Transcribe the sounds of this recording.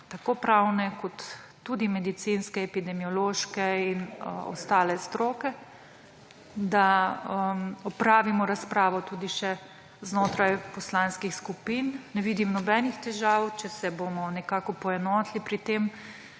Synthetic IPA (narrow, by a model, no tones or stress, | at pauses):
t̪akoːpɾawnɛkɔt̪ː | ud̪imɛd̪it̪sinskɛːpid̪ɛmiɔloːʃkɛinɔ̰st̪aːlɛst̪ɾoːkɛ | d̪aəmɔpɾaːʋimɔɾaspɾaːʋɔt̪uːd̪iʃɛ | znoːt̪ɾajpɔslanskixskupinːɛʋiːd̪imnɔbɛnixt̪ɛʒaːwt͡ʃɛsɛbomɔnɛkaːkɔpɔɛnɔːt̪lipɾit̪em